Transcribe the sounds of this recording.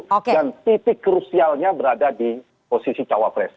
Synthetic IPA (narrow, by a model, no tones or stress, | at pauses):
kdant̪it̪ɪkːɾusialɲabəɾadadi | posisit͡ʃawapɾɛ̰s